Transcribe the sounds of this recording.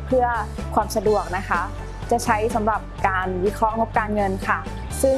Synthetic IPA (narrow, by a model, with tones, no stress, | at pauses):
pʰɯ˥˩ɐ | kʰwaː˧msa˧du˨˩ək̚na˦˥kʰa˦˥ | t͡ɕa˨˩t͡ɕʰa˦˥jsa˩˦mɾa˨˩p̚kaː˧nwi˦˥kʰɔ˦˥ŋo˦˥p̚kaː˧nŋɤ˧nkʰa˥˩ | sɯ˥˩